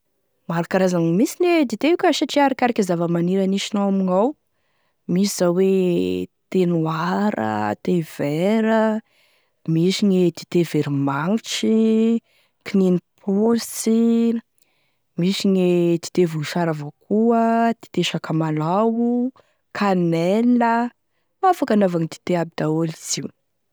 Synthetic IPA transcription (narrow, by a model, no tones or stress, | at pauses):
maɾakaɾazaŋmisined̪it̪eukʲəsaʈ͡ʂiaɾakʲaɾakʲizavəmaniɾaniʃinawamiŋaw | misiz̥awwe | t̪enuaɾə̰t̪ev̥ɛɾə | misiɲed̪̥i̥t̪eveɾimaŋiʈ͡ʂi | kininipʰusi | misiɲid̪̥i̥t̪evuʃaɾavokuəd̪̥i̥t̪eʃakəmalawu | kʰanɛlnə | afakanavaŋid̪i̥t̪eabid̪̥aoliz̥iw